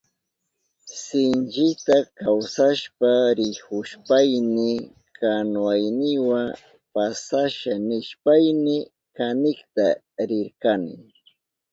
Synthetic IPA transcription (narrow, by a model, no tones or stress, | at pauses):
sɪnt͡ʃɪt̪akawsaʃpaɾɪhʊʃpajnɪ | kanwajnɪwaŋ | pasaʃanɪʃpajnɪ | kanɪkt̪a | ɾɪɾkanɪ̰